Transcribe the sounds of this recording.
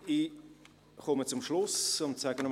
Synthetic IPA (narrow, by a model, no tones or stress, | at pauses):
i | χɔmət͡sʊmʃlʊsʊmt͡sɛɡən